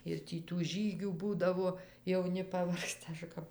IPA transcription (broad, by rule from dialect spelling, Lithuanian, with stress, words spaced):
ɪr ˈtʲiː tuː ˈʒʲiːɡʲuː ˈbuːdɐʋoː jɛʊˈnʲɪ pɐˈʋɐrkstɐ ˈɐʃ kɐp